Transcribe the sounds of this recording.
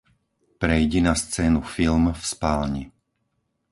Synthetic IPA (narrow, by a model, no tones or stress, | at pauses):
pɾɛjɟɛnast͡sɛːnufilmfspaːlɲi